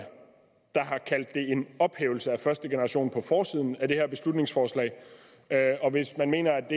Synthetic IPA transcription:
d̥ɑ̈ɦɑ̈kʰæl̰d̥ːe̝e̝nɒ̽b̥heːʊl̩səæfɶɐsd̥əɡ̥e̝nɐʁɑ̈ɕo̝̰ːnpʰɒ̽fɒːsiːð̞̰ˠn̩æd̥e̝hæɐ̰b̥e̝slud̥ne̝ŋsfɒːslɛ̰ɪ | øɒ̽ʋe̝smænme̝̰ːnɐæd̥e

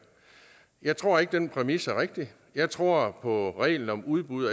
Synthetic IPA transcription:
jɑ̈ɪt͡sʰʁo̝ɐ̰e̝ɡ̥̚d̥enpʰʁɛmisæɐʁeɡ̥̚d̥i | jɑ̈ɪt͡sʰʁo̝ɐ̰pʰɒ̽ʁɛ̰ːɪln̩ɒ̽muð̞ˠb̥uðˠɐ

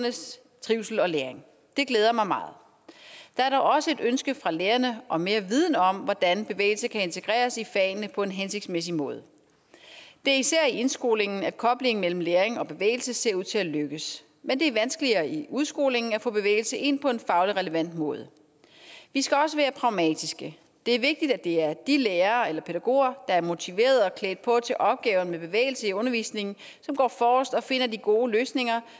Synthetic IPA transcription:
nəs | t͡sʰʁiʊsl̩ɒ̽leːɐeŋ | d̥e̝ɡ̥leːð̞ˠɐmɑ̈ɪmɑ̈ːð̩ˠ | d̥ɑ̈æɐɾɒʊɒ̽səe̝d̥ønsɡ̥əfʁɑ̈leːɐnəʔɒ̽me̝ːɐʋið̞ˠn̩ɒ̽m̰ʋɒd̥ænb̥e̝ʋḛːɪl̩səkʰæe̝nt͡sʰe̝ɡ̥ʁɛ̰ːɐsifɛ̰ːnnəpʰɒ̽e̝nɦense̝ɡ̥smes̬imɔ̽ːð̞ˠə | d̥e̝æɐisæɐ̰ie̝nsɡ̥o̝̰ːle̝ŋn̩æd̥kʰɒ̽b̥le̝ŋ̩mel̰m̩leːɐʁeŋɒ̽b̥e̝ʋḛːɪl̩səse̝ɐuð̞̰ˠt͡sʰe̝æløɡ̥əs | mend̥e̝æɐʋænsɡ̥əliɐːʔiuðˠsɡ̥o̝̰ːle̝ŋn̩æfɔ̰̽ːb̥e̝ʋḛːɪl̩səʔe̝n̰pʰɒ̽e̝nfɑ̈ʊləʁɛləʋæn̰d̥mɔ̽ːð̞ˠə | ʋisɡ̥æɒ̽s̬əʋæːɐpʰʁɑ̈ʊmɛ̰ːd̥isɡ̥ə | d̥e̝æɐʋe̝ɡ̥̚d̥id̥æd̥e̝æɐd̥ileːɐːelɐpʰe̝ɾ̥æɡ̥o̝̰ːɐd̥ɑ̈æɐmo̝t͡sʰiʋe̝̰ːɐð̩ˠɒ̽kʰlḛːd̥̚pʰɒ̽t͡sʰe̝ʔɒ̽b̥̚ɡ̥ɛːʊnmeb̥e̝ʋḛːɪl̩səiɔ̽nɐʋḭːsne̝ŋn̩ | sɒ̽mɡ̥ɒ̰ːfɒːsd̥ɒ̽fe̝n̰ɐd̥iɡ̥o̝ːløːsne̝ŋɐ

